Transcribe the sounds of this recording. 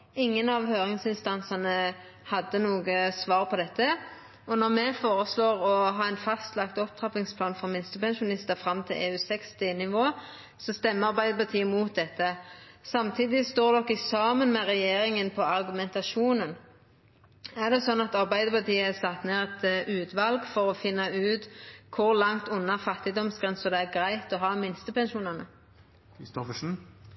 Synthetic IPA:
ɪŋːənɑʋhøːɾɪŋsɪnst̪ɑnsɑnə | hɑd̪ːənuːɡəsʋɑːʁpʰɔd̪ɛt̪ːə | ɔnɔʁmɛfoːɾəsloːʁɔɦɑːæɪnfɑst̪lɑkt̪ɔp̚t̪ʰɾɑpɪŋspʰlɑːnfɔɾmɪnst̪əpɛnʃʊnɪst̪əfɾɑmt̪ʰɪlʔḛːʉːsɛkst̪ɪnɪʋoː | sɔst̪ɛmːəɑɾbæɪd̪əpɑt̪ʰiːəmuːt̪̚d̪ɛt̪ːəsɑmt̪ʰiːd̪ɪst̪oːʁd̪ɔkːɪsɑːmənmɛʁɛjeːɾɪŋənpʰɔɑɾɡʉmɛnt̪ɑʃuːnən | æʁd̪ɛsɔnːɑt̪ɑʁbæɪd̪əpɑt̪iːəɛsɑt̪neːʁɛt̪ʉːt̪ʋɑlɡfɔɾɔfɪnːɑʉːt̪kʰʊʁlɑŋt̪ʊnːɑfɑt̪ːɪd̪ɔmsɡʁɛnsɔd̪ɛæɾɡɾæɪt̪ɔɦɑːmɪnst̪əpʰɛnʃuːnɑnə | kɾɪst̪ɔfəʂn̩

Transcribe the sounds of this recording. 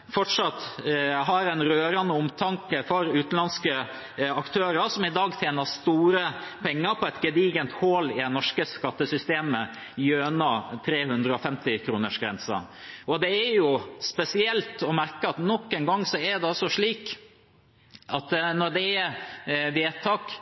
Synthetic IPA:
fɔʈʂɑt̪ːɦɑɾɛnɾøːɾɑnəʊmt̪ʰɑŋkəfɔɾʉːt̪n̩lɑnskə | ɑkt̪ʰøːɾəsɔmɪd̪ɑːɡt̪ʰjeːnəɾst̪uːɾəpʰɛŋːəɾpʰɔɛt̪ɡɛd̪iːɡənt̪hoːlɪd̪ɛnɔʂkəskɑt̪ːəsʏst̪eːmə | jøːnɑt̪ʰɾeːhʉnd̪ɾəɔfɛmt̪ɪkʰɾuːnəʂɡɾɛ̰nsɑ̰ | ɔd̪ɛæɾjʊspɛsɪɛlt̪ɔmæɾkəɑt̪nɔkːɛnɡɑŋːsɔæɾd̪ɛɔsɔʂɭiːk | ɑt̪nɔɖ̪ɛæ | ʋeːt̪ʰɑːk

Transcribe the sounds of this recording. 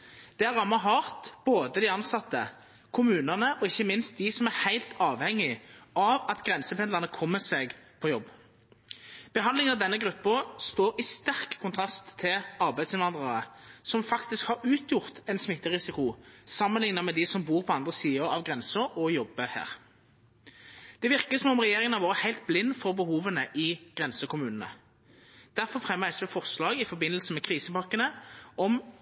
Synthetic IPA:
d̪̥ɛæʁːɑmːɑɦɑːʁt̪b̥oːd̪əd̪ɪɑnsɑt̪ːə | kʰʊmʉːnəʁnəʔɔɪçːəmɪnst̪̚d̪ɪsɔmæʁhæɪlt̪ʰɑːʋhɛŋːɪʔɑʋɑt̪ɡʁɛnsəpɛnd̪ɑʁnəkʰɔmːəsɛɡpʰɔjɔbː | b̥əɦɑnlɪŋənɑʋd̪ɛnːəɡɾʉpːəst̪oːɾɪst̪æʁkkʰʊnt̪ʰɾɑst̪ʰːɪlɑʁbæɪd̪sɪnʋɑnd̪ʁɑʁəsɔmfɑkt̪ɪskhɑʁʉːt̪ʰjʊʁt̪ɛnsmɪt̪ːəʁɪsɪkʊsɑmːənlɪŋnəmɛd̪ɪsɔmbuːʁpʰɔɑnd̪ʁəsiːəɾɑʋɡʁɛnsəɾɔjɔbːəhæ̰ːʁ | d̪̥ɛʋɪʁkəsɔmɔmʁɛjeːʁɪŋənɑʋɑːʁəhæɪlt̪̚blɪnːfɔʁbəhuːʋənəʔɪɡ̥ʁɛnsəkʰʊmʉːnən̩ə̰ | d̪̥æʁfɔʁfʁɛmːæɪsʋɛfɔʁslɑːɡɪfɔbɪnːəlsəmɛkʰʁiːsəpɑkːənəɔm

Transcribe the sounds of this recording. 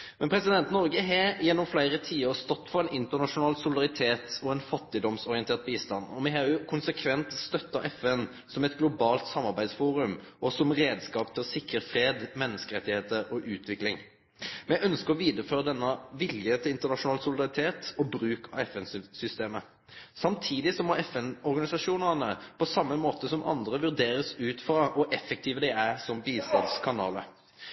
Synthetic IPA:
mɛnpʰɾɛsɪd̪ɛnt̪nɔɾɡəɦɛjɛnːɔmflæɪɾət̪ʰiːəɾst̪ɔt̪ːfɔʁɛnɪnt̪ənɑʂʊnɑːlsʊlɪd̪ɑʁɪt̪ʰeːt̪ɔɛnfɑt̪ːɪd̪ɔmsɔʁɪɛnt̪eːʁt̪̚biːst̪ɑnːɔmɛɦɑʊkʰʊnsəkʰʋɛnt̪st̪œt̪ːɑʔɛfɛn | sɔmɛt̪ɡlʊbɑːlt̪sɑmːɑɾbæɪd̪sfuːɾʉmʔɔsɔmɾeːd̪skɑːpt̪ʰɪlɔsɪkːəɾfɾeːd̪mɛnːəskəɾɛt̪ːɪheːt̪əɔʔʉːt̪ʰʋɪklɪŋ | mɛʔœnskəɾɔʋiːd̪əføːʁəd̪ɛnːəʋɪljət̪ʰɪlɪnt̪əʁnɑʂʊnɑːlsʊlɪd̪ɑʁɪt̪ʰeːt̪ɔbɾʉːkʰɑ̰ɛfɛnssʏst̪eːmə | sɑmt̪ʰiːd̪ɪsɔmɔɛfɛnɔɾɡɑnɪsɑʂuːnəʁnəpʰɔsɑmːəmoːt̪əsɔmʔɑ̰nd̪ʁəʋʉʁd̪eːɾəsʉːt̪fʁɑʔɔʔɛfːɛk̚t̪ʰiːʋəd̪ɛæsɔmbiːst̪ɑ̰nskʰɑnɑ̰ːlə

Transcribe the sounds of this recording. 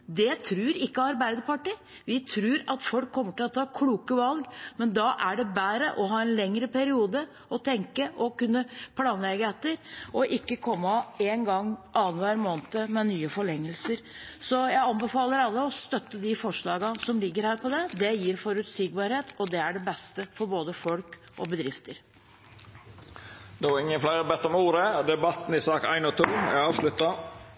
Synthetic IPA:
d̪ɛt̪ʰɾʉːɾɪkːəɑɾbæɪd̪əpɑʈi | ʋɪt̪ʰɾʉːɾɑt̪fɔlkʰːɔmːəʈɪlɔt̪ʰɑːkʰluːkəʋɑlɡmɛnd̪ɑʔæɖɛbæːɾəʔɔɦɑːɛnlɛŋɾəpæɾɪuːd̪ə | ɔt̪ʰɛŋkəʔɔkʉnːəpʰlɑːnlɛɡəɛt̪ːəɾɔʔɪkːəkʰɔmːəeːnɡɑŋːʔɑːnʋæːɾmoːnt̪əmɛnyːəfɔɭɛŋːəlsəɾsɔjæɪɑnbəfɑːləɾɑlːəɔst̪œt̪ːəd̪ɪfɔʂɭɑːɡɑsɔmlɪɡːəɾhæːɾpɔd̪ɛd̪ɛjiːɾfɔɾʉt̪siːɡ̚bɑːɾheːt̪ɔd̪ɛæɖɛbɛst̪əfɔɾboːd̪əfɔlk | ʔɔ̰bəd̪ɾɪft̪əɾ | d̪ɛʋɑɾɪŋːənflæɪɾəbɛt̪ːɔmuːɾəd̪ɛbɑt̪n̩ɪsɑːkæ̰ɪnɔt̪ʰuːɛ̰ɑːʋʂlʉt̪ːɑ

